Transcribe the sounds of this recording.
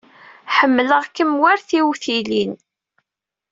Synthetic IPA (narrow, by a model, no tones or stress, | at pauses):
ħəmːləʁkəmwaɾθiwθilin